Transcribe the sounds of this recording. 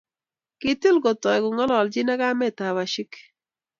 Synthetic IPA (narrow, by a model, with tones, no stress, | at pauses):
kɪ˨tɪ˦lɡɔ˨tɔ˨ɛ˨ɡʊ˨ŋɔ˦lɔ˨ld͡ʒɪ˦na˦ɡa˦mɛ˦˨ta˨wa˨ʃɪ˦k